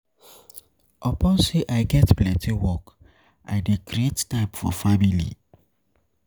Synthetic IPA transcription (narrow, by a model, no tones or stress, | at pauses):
ʔɔpɔ̃nseʔaɪɡɛtplɛ̃ntʰiwɔk | ʔa̰ɪdekɾiettaɪpfɔ̰familḭ